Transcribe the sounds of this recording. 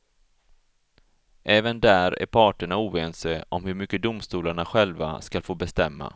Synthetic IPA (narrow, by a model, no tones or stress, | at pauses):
ʔɛːvənd̪æːɾæ̰ɾpʰɑːʈəɳauːveːnseʔɔmhɵɾmʏkːəd̪ʊmst̪uːlaɳaɧɛlva̰skalfoːbɛst̪ɛmːa̰